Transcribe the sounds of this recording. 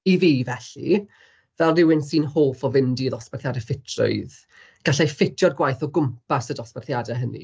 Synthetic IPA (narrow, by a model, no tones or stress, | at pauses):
iviːvɛɬḭ | vɛlˠnɪwɪnsiːnhoːlˠfɔvɪndiðɔsbarθjadəfɪtʰrʊ̰ɨð | ɡ̥aɬajfɪtʰjɔdɡwajθɔɡʊmpasədɔsbɛrθjadɛɦənḭ